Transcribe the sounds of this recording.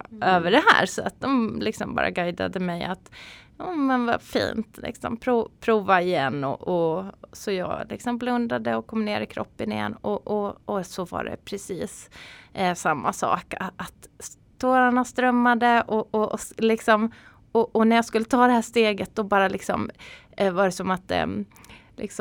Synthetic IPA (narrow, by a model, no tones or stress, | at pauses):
ʔøːvəɖɛɦæ̰ːɾsɔat̪̚d̪ɔmlɪksɔmbɑ̰ːɾa̰ɡajd̪a̰d̪əmɛja̰t̪ɑːmɛnva̰fḭːnt̪lɪ̰ksɔ̰mpʰɾuːpʰɾuːvaɪjɛnːɔ̰ʔɔsɔjɑːlɪksɔmblɵnd̪ɾad̪əɔkʰɔmneːɾɪkʰɾɔ̰pːənɪjɛ̰nːɔʔɔɔsɔva̰ɖɛ̰pʰɾɛsiːs | samːa̰sɑ̰ːkaat̪ | t̪ʰoːɾaɳast̪ɾœmːad̪əʔɔɔlɪksɔm | ɔʔɔnæɾjɑːskɵlːət̪ʰɑːd̪ɛhæːʂt̪eːɡət̪̚d̪ɔbɑːɾalɪksɔ̰m | vaɖɛsɔmat̪̚d̪ɛ̰ | lʔɪ̰ksɔ